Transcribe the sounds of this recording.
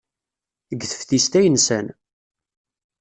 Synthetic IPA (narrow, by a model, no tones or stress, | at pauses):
əɡːθə̥fθist̪æjənsæn